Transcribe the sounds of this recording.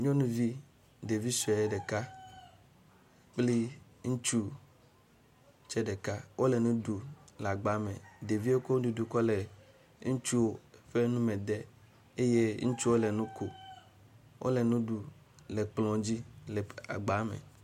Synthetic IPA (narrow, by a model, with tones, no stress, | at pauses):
ɲõ˦nũ˦vi˦ | de˨vi˦sɛ˨e˦ɖe˨ka˦ | k͡pli˦ | ŋũ˦t͡ʃu˦ | t͡ʃɛ˦ɖe˨ka˦wʔo˦le˨nũ˦du˨la˨ɡ͡ba˨˦mẽ˨de˨vi˦e˦ko˦du˨du˨kɔ˦le˨ | ŋũ˦t͡ʃu˦wo˦ɸe˦nũ˦mẽ˨d̪ɛ˦ | e˦je˦ŋũ˦t͡ʃu˦wo˦lɛ˨nũ˦ko˨ | wʔo̰˦le˨nũ˦ɖu˨ | lɛ˨k͡plɔ̃˨d͡ʑi˦lɛ˨a̰˨ɡ͡ba˨˦mḛ̃˨